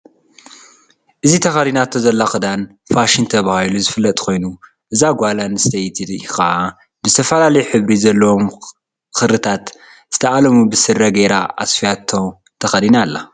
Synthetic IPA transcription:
ʔɨzit̪ʰɐxɐd̪inat̪ʰozɐlːaxɨd̪an | faʃint̪ʰɐβahiluzɨfɨlːɐt̪ʼkʰo̞jnu | ʔɨzaɡʷalanst̪ʰejt̪ʰidxɐʔa | bɨzɨt̪ʰɐfɐlalɐjuħɨβɾizɐlːɐwom | xɨɾɨt̪ʰat̪ | z̥ɨ̥t̪ʰɐʔalɐmubɨsɨɾɐɡeɾaʔa̰sfijat̪ʰːo | t̪ʰɐxɐd̪inalːa

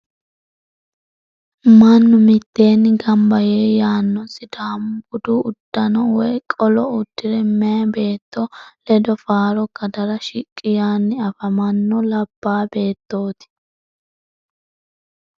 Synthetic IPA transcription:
mɐnːʊmɪt̪ːe̞ːnːɪɡɐmbɐjeːjaːnːɔsɪd̪aːmbʊd̪uʊd̪̥ːɐnɔwɔjkʼɔlɔʊd̪̥ːɪɾɛmɛɐbe̞ːt̪ːolɛd̪ɔfaːɾɔɡɐd̪ɐɾɐʃɪkʼːɪjaːnːɪɐfɐmɐnːɔlɐb̥ːaːbe̞ːt̪ːo̞ːt̪ɪ̥

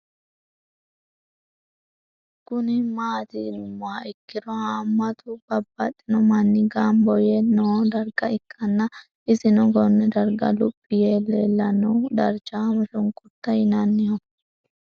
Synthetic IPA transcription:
kʊnɪmaːt̪ɪnmːʊaʔɪkːɪd̪ɔhaːmːɐt̪ʰʊb̥ɐbːɐt̪ʼːɪnɔmɐnːɪɡambɔjɛnoːd̪ɐɾɡɐɪkʼːɐnːɐ | ɪsɪnɔɡɔnːɛd̪ɐɾɡɐ̰lʊpʼːɪjeːlːeːlːɐnɐwd̪ɐɾt͡ʃːamɐʃʊŋkʼʊt̪ːɐjɪnɐnːɪjɔ

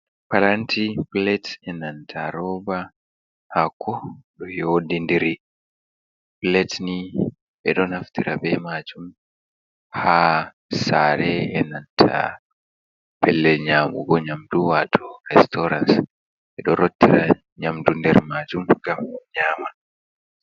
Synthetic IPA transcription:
palantʰiplɛtɛnantʰaɾɔːba | hakʰɔɗɔjoːdindiɾi | plɛtni | ɓɛɗɔnhaftiɾabɛmaːd͡ʒum | ha | saːɾɛɛnantʰa̰ | pɛlːɛlɲaːmṵɡɔɲamduwatʰɔɾɛstɔɾans | ɓɛɗɔɾotːiɾa | ɲamdundɛɾmaːd͡ʒumɡamɲaːma

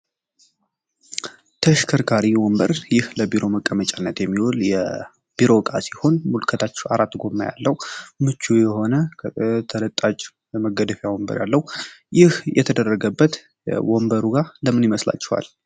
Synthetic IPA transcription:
t̪ʰəʃkʰəɾkʰaɾiwɔmbəɾjɪhləbiɾo̞məkʼːəmət͡ʃʼanːət̪jɛmːiwuljɛ | b̥iɾo̞kʼasiho̞nmulkʰət̪ʰat͡ʃːɛaɾat̪ːɡomːaja̰lːəwmɨt͡ʃːujɛho̞nəkʰt̪ʰələt̪ʼːat͡ʃʼ | məɡəd̪əfjawɔmbə̰ɾja̰lːəhujɪhjɛ̰t̪ʰəd̪ərːəɡəbːət̪ | wɔmbəɾuɡaləmɨnjiməsla̰t͡ʃːɛwa̰l

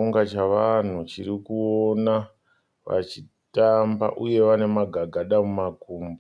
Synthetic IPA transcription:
uŋɡat͡ʃaʋan̤ut͡ʃiɾikuona | ʋa̰t͡ʃi | tamba̰ʔuje̞ʋane̞maɡʱaɡʱaɗamumakuːmba

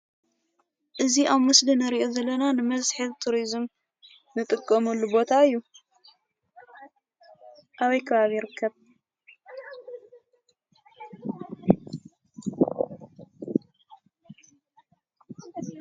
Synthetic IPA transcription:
ʔɨziʔaβmɨslinɐɾiʔozɐlːɐnanɨmɐzħɨβt̪ʰuɾizm | nɨt̪ʼɨkʼːɐmɐlːubo̞t̪ʰaɨjːu | ʔaβɐjkʰɐβaβijɪɾɨkʰːɐβ

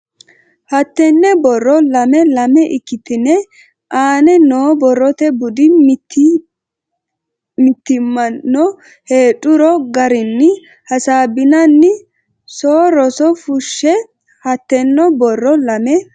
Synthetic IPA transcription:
hɐt̪ːɛnːɛbɔrːɔlɐmɛlɐmɛʔɪkːɪt̪ɪnːɛ | ʔaːnɛnoːbɔrːɔt̪ɛbʊd̪ɪtː | mɪt̪ːɪmɐɔ | heːtʼːʊɾɔɡɐɾɪnːɪ | hɐsaːbɪnɐnːɪ | soːɾɔsɔfʊʃːɛ | hɐt̪ːɛnːɔbɔrːɔlɐmɛ

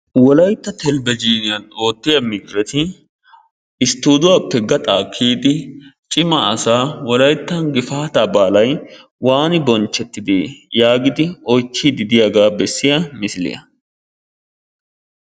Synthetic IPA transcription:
wɔlɐjt̪ːɐt̪ʰɛlbɛd͡ʒiːnɪjɐnoːt̪ːɪjɐmɪɡɾɛt̪ɪ | ɪst̪ːuːd̪ʊwapːɛɡɐt̪ʼaːkʰːiːd̪ɪt͡ʃʼɪmɐːsaːwɔlɐjt̪ːɐnɡɪfaːt̪ɐbaːlɐj | waːnɪbɔnt͡ʃːɛt̪ːɪd̪eːjaːɡɪd̪ɪɔjt͡ʃːiːd̪ɪd̪ɪjɐɡaːbɛsːɪjɐmɪsɪlɪ̰jɐ̰

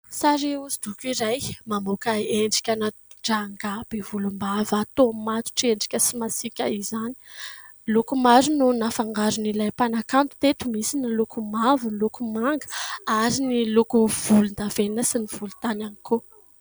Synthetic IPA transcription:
saɾiuzid̪ukʲiɾajmamokaeɳɖ͡ʐi̥kʲanaɖ͡ʐaŋɡab̥evulumbavat̪omat̪u̥ʈ͡ʂeɳɖ͡ʐi̥kʲəsimasikʲaizani̥ | lukumaɾununafaŋɡaɾunilajpanakant̪u̥t̪et̪umisinilukumavunlukumaŋɡə̥aɾinilukuv̥ulund̪avenəsiniv̥ulu̥t̪ananikʰo

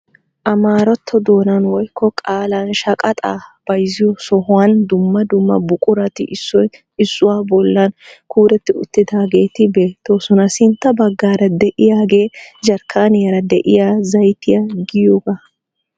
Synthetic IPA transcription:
ʔɐmaːɾɔt̪ʰːɔd̪o̞ːnɐnwɔjkːɔkʼaːlanʃɐkʼɐt̪ʼa̰ːb̥ɐjzɪjɔsɔɦʊwɐnd̪ʊmːɐd̪ʊmːɐ̰bʊkʼʊɾɐt̪ɪ̰ʔɪsːɔj | ɪsːʊwaːbɔlːɐnkʰuːɾɛt̪ːɪʊ̰t̪ːɪd̪aːɡe̞ːt̪ɪbe̞ːt̪ːo̞ːsɔnɐsɪnt̪ːɐbɐɡːaːɾɐd̪ɛʔɪjaːɡe̞ːd͡ʒɐɾkʰːaːnɪjɐɾɐd̪ɛʔɪjaːzɐjt̪ɪjaɡɪjoːɡa

